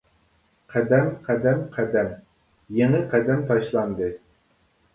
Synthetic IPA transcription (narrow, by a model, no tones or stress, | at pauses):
qʰæd̪ɛmqʰæd̪ɛmqʰæd̪ɛm | jeŋɛqʰæd̪ɛmt̪ʰɑʃlˠɑnd̪ɨ